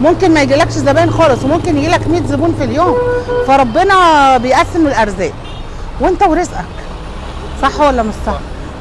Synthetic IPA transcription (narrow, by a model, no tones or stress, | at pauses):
momkenmæjeɡilækʃzæbæːnxɑːlesˤwemomkenjeɡiːlækmiːt̪zobuːnfiljoːmfæɾˤɑbːenɑbejʔæsːemmelʔæɾˤzæːʔ | went̪æweɾezʔæk | sˤɑħːowælːæmæsˤɑħ